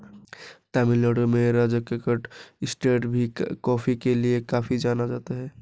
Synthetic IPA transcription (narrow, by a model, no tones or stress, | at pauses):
t̪aːmɪləɽomẽɾaːd͡ʒəkəkəʈɪsʈeːʈbʱikɔːfʰikeliekaːfʰid͡ʒaːnad͡ʒaːt̪aɦɛː